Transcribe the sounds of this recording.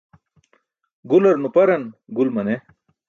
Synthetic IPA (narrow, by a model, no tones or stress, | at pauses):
ɡulɐɾnupɐɾɐnɡulmɐne